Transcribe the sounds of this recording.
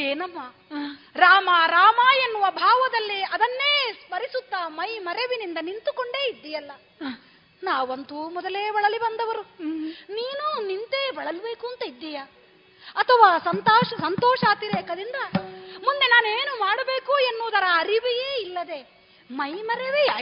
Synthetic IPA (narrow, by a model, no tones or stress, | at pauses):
eːnɐmːa | ɾaːmɐɾaːmaːenːuʋɐbʱaːʋɐd̪ɐlːiɐd̪ɐnːe̞ːspɐɾisut̪ːaːmɐjmɐɾeʋinind̪ɐnint̪uko̞ɳɖe̞ːid̪ːɛjɐlːɐ | naːʋɐnt̪umɔd̪ɐleːbɐɭɐlibɐnd̪ɐʋɐɾuniːnunint̪e̞ːbɐɭɐlbe̞ːkuːnt̪ɐid̪ːɛjɐ | ɐt̪ʰɐʋaːsɐnt̪aːʃɐsɐnt̪ɔːʂaːt̪iɾeːkɐd̪ind̪ɐmund̪e̞naːneːnumaːɽɐbe̞ːkuenːuːd̪ɐɾɐːɾiʋijeːilːɐd̪e̞ | mɐjmɐɾeʋi